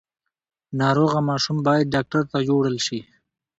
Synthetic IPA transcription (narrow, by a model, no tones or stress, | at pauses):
nɑːɾoːɣamɑːʃumbɑːjad̪̚ɖɑk̚ʈaɾt̪ad͡ʒoɽəlʃi